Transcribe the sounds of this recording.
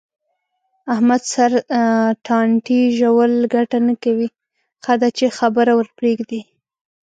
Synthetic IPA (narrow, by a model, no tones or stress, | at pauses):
ahmad̪saɾʈʰɑɳʈiʒawəlɡaʈanakawi | xad̪at͡ʃexabəɾawəɾpɾeɡd̪i